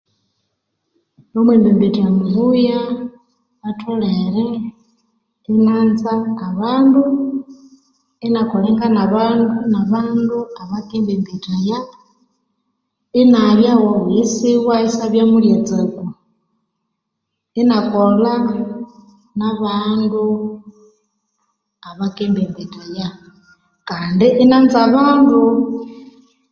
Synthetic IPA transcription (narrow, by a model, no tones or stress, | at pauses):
nɔmwɛmbɛmbitʰʼajamuβuja | βatʰɔɺɛɺɛ | inand͡zakaβandu | inakʰʼɔɺɛŋɡanaβandunaβanduaβakʼɛmbɛmbitʰʼaja | inaβjawawujisiwaisaβjamuɺjɛd͡zeku | inakʼɔla | naβandu | aβakʼɛmbɛmbitʼaja | kʼandiʔinand͡zaβaːndu